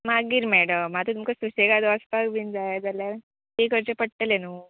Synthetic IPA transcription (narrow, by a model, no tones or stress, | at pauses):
maɡiːɾmɛɽəmːat̪ũt̪umkəsuseɡad̪əsp̪aɡbind͡zajad͡zalja | t̪ekəɾt͡ɕepəɽt̪elenu